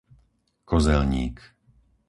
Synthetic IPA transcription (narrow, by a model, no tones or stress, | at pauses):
kɔzɛlɲḭːk